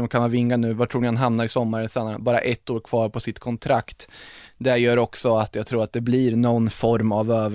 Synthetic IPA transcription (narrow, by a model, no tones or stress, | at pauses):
mkʰanvavɪŋːanʉ̟ːvatʰɾuːɳɪhanɦamnaɾɪsɔmːaɾənst̪anːaɾbɑːɾa̰ʔɛt̪ːoːɾkʰv̥ɑːɾpʰɔsɪt̪ːkʰɔnt̪ʰɾakt̪d̪ɛɾjœːɾɔksɔat̪jɑːɡt̪ʰɾuːɾat̪̚d̪ɛbliɾnɔnːfɔɾmavøːv